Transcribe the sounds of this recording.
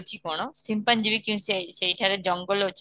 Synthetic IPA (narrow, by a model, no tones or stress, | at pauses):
t͡ʃʰikoɽ̃osimpand͡ʑibikĩw̃ssejʈʰaɾed͡ʑɔŋɡolot͡ʃʰi̥